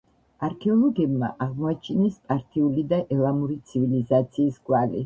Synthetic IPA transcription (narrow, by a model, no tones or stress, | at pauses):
aɾkʰɛɔlˠɔɡɛbma̰ʔaʁmɔat͡ʃʰinɛspʼaɾt̪ʼʰiulid̪aʔɛlˠamuɾit̪sʰivilizat̪sʰiːsɡwalḭ